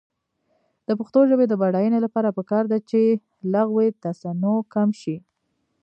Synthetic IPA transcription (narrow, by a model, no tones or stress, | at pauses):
d̪̥əpəxt̪oʒəbed̪əbaɽɑjənelapɑɾapəkɑɾd̪at͡ʃe | laɣwet̪asanokamʃi